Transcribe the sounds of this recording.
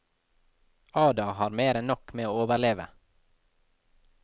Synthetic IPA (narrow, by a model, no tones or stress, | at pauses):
ɑːd̪ɑhɑːɾmeːɾɛnnɔkmeːoːoːʋəɾɭleːʋə̰